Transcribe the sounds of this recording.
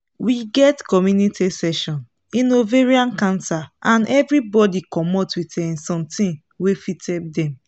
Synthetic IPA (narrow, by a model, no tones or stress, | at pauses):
wiɡɛtkɔmjunitʰisɛʃɔ̃n | ĩnoveɹiãnkãnsaʔãnʔɛvɹibɔdikɔmɔtwitɛ̃sɔ̃mtĩn | wefitɛb̚dɛ̃m